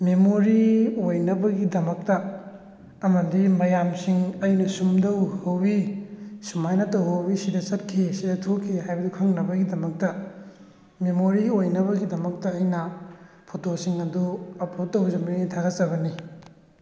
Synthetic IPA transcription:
memoɾiojnɐbɐɡidɐmɐk̚tɐ | ɐmɐdimɐjamsiŋɐjnɐsumdɐwhɐwbisumajnɐtɐwɦɐwbisidɐt͡ʃɐt̚kʰːisidɐtʰokʰːiɦajbɐdukʰɐŋnɐbɐɡidɐmɐk̚tɐ | memoɾiojnɐβɐɡidɐmɐk̚tɐːjnɐ | pʰotosiŋɐduɐpɾot̚ːɐwbzɐmɐnitʰaɡɐt͡ʃɐβɐni

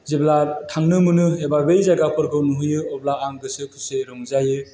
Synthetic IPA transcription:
zeblatʰaŋnɯmɯnɯɦebabejzaɡapʰɯɾkʰɯnuɦujɯɔblaʔaŋɡɯsɯkʰɯseɾɔŋzajɯ

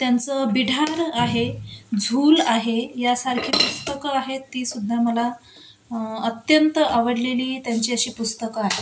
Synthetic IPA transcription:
t̪jant͡səbiɽʱaɾaɦed͡zʱuːlaɦejasaɾkʰiːpust̪əkəaɦet̪ːiːsud̪ʱːaməla | ət̪jənt̪əaʋəɽleliːt̪jaɲt͡ɕiːəɕiːpust̪əkəaɦe

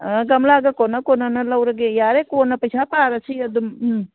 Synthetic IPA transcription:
ɡɐmlaːɡɐkonɐkonɐnɐlɐwɾɐɡejaːɾekoːnɐpɐt͡ʃʰapaːɾɐt͡ʃʰiɐd̪umm

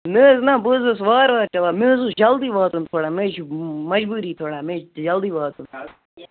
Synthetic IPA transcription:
nəːznãːbozɨsʋaːɾʋaːɾt͡ʃɐʋaːmĩːzud͡ʒɐld̪iːʋaːt̪unt̪ʰoːɽaːmeʃmɐd͡ʒbuːɾiːt̪ʰoːɽaːmẽːd͡ʒɐld̪iːʋaːt̪un

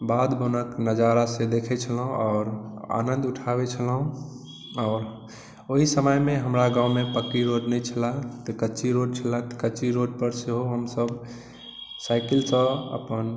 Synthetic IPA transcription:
bad̪bonəknəd͡ʒaɾased̪ekʰɛt͡ʃʰəlɦũɔːɾa̰nənd̪uʈʰabet͡ʃʰəlɦũ | ɔːɾ | oɦisəməjmeɦəmɾaɡãumepəkːiɾoɖnɛjt͡ʃʰəlat̪ɔkəːt͡ʃiɾoɖt͡ʃʰəlat̪ɔ̥kəːt͡ʃiɾoɖpəɾseɦoɦəmsəb | saɪkilsə̃ə̰pən

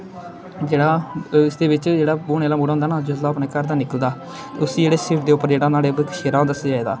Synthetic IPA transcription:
d͡ʒeːɽaːɪsd̪eːʋɪt͡ʃd͡ʒeːɽaːbuːɳeːlaːmuːɽaɦʊnd̪aːnaːd͡ʒot̪laːpneːkəɾd̪aːnɪkəld̪aː | t̪eːʊsiːd͡ʒeːɽeːsɪpʰd̪eːʊpːəɾd͡ʒeːɽãːnaːɽeːbkʰʃeːɾãːd̪əseaːeːd̪aː

